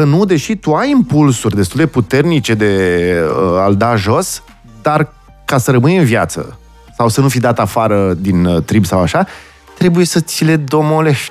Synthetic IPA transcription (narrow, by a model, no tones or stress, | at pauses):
kənud̪e̞ʃit̪uajimpulsurʲd̪e̞st̪uld̪e̞put̪e̞rnit͡ʃe̞d̪e̞əald̪aʒo̞s | d̪ar | kasəɾəmɨnɨnvjat̪sə̰ | sawsənufid̪at̪afaɾəd̪int̪ɾibsawaʃa | t̪ɾe̞buje̞sət̪sile̞d̪o̞moleʃ